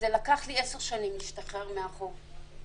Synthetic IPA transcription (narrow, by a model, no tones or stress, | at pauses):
zelakaχlieseʁʃanimiʃt̪aχeʁmeaχov